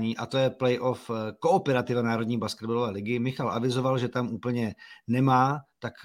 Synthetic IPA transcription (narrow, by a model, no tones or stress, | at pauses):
ɲiːʔat̪o̞jɛplɛjʔo̞fko̞opɛɾat̪ɪvanaːɾo̞d̪ɲiːbaskɛd̪̚balovɛːlɪɡɪmɪxalʔavɪzo̞valʒɛt̪amʔuːpl̩ɲɛnɛmaːt̪ak